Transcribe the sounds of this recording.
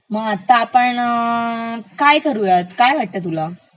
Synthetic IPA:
mat̪apəɳə | kajkəɾujat̪kajʋaʈ̚t̪at̪ula

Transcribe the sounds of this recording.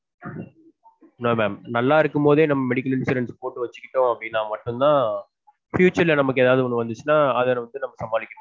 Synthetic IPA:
noːmɛːmnɐlːaːɪɾɯkːɯmpoːðeːnɐmːɐmɛɽɪkːɐlɪnsɪɾɐnspoːʈːɯʋɐt͡ʃːɯ̥kːɪʈːʊ̃ɐpːɽɪnːaːmɐʈːɯnt̪ãː | fjuːt͡ʃɐɾɪlɐnɐmːɐkːɯeːðaːʋðɯɔnːɯʋɐnd̪ɯt͡ʃːɯnaːɐðɐnɐʋɐnd̪ɯnɐmːɐsɐmbaːlɪkʲːɐɽɐ̃

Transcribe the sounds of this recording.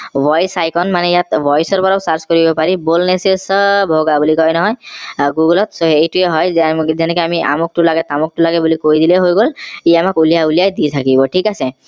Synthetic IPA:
bɔjsajkɔnmanɛjat̪bʱɔjsɔɹpɔɹaʊsaɹzkɔɹibɔpaɹibolnesesbʱoɡabulikɔjnɔɦɔjɡuɡɔlɔt̪soejtʊeɦɔjzɛnɛkɔamiʔa̰mɔk̚tʊlaɡɛt̪amɔk̚tʊlaɡɛbulikojd̪ileɦojɡoliamakulijaulijajd̪it̪ʰakibɔʈʰikase

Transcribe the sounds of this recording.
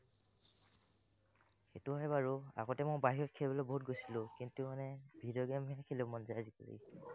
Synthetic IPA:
xetuɦɛjbaɹua̰ɡɔtɛmojbaɦiɹɔkʰɛlbɔlɔboɦut̚ɡojsilʊ̃kintʊmanɛbʱidɔɡɛmɛkʰelɛ̃mɔnzajazikuɹḭ

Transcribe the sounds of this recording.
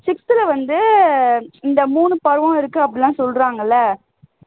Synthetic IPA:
sɪksɪlɐʋɐnd̪ɯ | ɪnd̪ɐmuːnɯpɐɾɯʋãːɪɾɯkːɯɐpːɐɽɪlãːsɔlɾaːŋɡɐlːɐ

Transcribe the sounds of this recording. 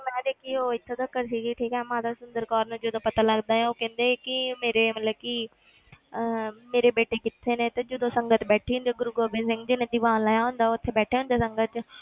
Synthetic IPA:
mɛ̃ːd̪eːkʰioːɪt̪ʰːoːd̪əkːəɾsiːɡiʈʰiːkɦɛmãːd̪asʊnd̪əɾkaːɾnũːd͡ʒʊd̪õːpət̪aːləɡd̪aːɦɛ̃ːoːkɛ̃ːnd̪eːkɪmeːɾeːmət̪ləb̚kɪ | meːɾeːbeːʈeːkɪt̪ʰːeːnẽːt̪ɐd͡ʒʊd̪õːsə̃ŋɡət̪bɛːʈʰiːɦʊ̃nd̪eɡʊɾuɡoːbeːsɪ̃ŋɡd͡ʒɪnẽd̪ibãːnlaːjaɦʊ̃ːnd̪aːʊt̪ʰːebɛːʈʰeːɦʊ̃nd̪aːsə̃ŋɡət̪

